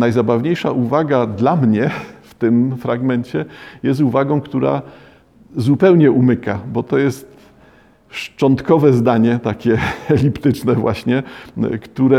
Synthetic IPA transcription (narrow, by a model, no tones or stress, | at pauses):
najzabavɲejʂaʔuvaɡad̪lamɲɛft̪ɘmfɾaɡmɛɲt͡ɕɛjɛs̬t̪uvaɡɔ̃w̃kt̪uɾa̰ | zupɛwɲɛumɘkabɔt̪ɔjɛst̪ | ʂt͡ʂɔnt̪kɔvɛzd̪aɲɛt̪akʲɛɛlʲipt̪ɘt͡ʂnɛvwa̰ɕɲɛkt̪uɾɛ